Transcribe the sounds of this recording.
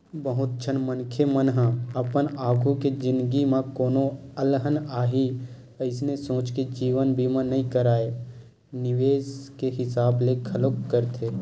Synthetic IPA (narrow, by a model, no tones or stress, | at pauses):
bəɦʊt̪̚t͡ʃʰənmənkʰemənɦə̃əpənaːɡʱuked͡ʒɪ̃nd̪ɡimãkoːnoəlɦənaːɦi | əɪsnesõːt͡ʃked͡ʒiːʋənbʱimə̃nəɦĩkəɾaːe | nɪʋeːskeɦɪsaːblekʰəlokːəɾt̪ʰeː